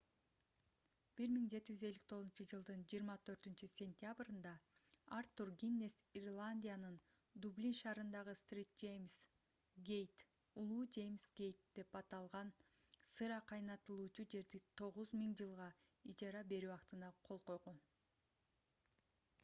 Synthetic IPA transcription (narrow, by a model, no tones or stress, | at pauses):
b̥iɾmiŋd͡ʒe̞t̪id͡ʒyze̞lːik̚t̪ʰo̞zunt͡ʃɯd͡ʒɯlˠd̪ɯnd͡ʒiːɾmɑt̪ʰø̞ɾt̪ynt͡ʃysʲe̞nʲt̪ʲɪjabɾɯnd̪ɑart̪ːurɡʲinːe̞sirlˠanʲdʲijanɯn | d̪ublʲinʃɑːɾɯnd̪ɑʁɯst̪rʲit̚d͡ʒejms | ɡejt̪ | ulˠuːd͡ʒe̞jmsɡʲe̞jt̪̚d̪̥e̞pɑt̪ɑlˠʁɑn | sɯɾɑqʰɑjnɑt̪ɯlˠuːt͡ʃud͡ʒe̞ɾd̪it̪ʰo̞ʁuzmiŋd͡ʒɯlˠʁɑit͡ʃɑɾɑbe̞ɾyɑqt̪ɯnɑqʰo̞lˠqo̞jʁon